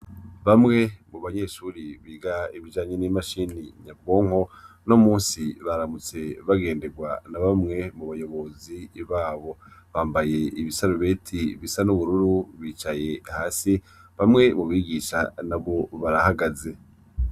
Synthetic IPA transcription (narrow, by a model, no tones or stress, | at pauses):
βamŋe̞muβaɲe̞ːʃuɾiβiɡaiβid͡ʒaːɲenimaʃiniɲab̚ɡo̞ːŋ̥ho̞no̞muːnsiβaɾamut͡se̞βaɡe̞ːnde̞ɡwanaβamŋe̞muβajo̞βo̞ziβaːβo̞βaːmbaje̞ʔiβisaɾuβe̞ːtʰiβisanuβuɾuɾuβiːt͡ʃaje̞haːsi | βamŋe̞muβiːɡiːʃa̰naβo̞βaɾahaɡaze̞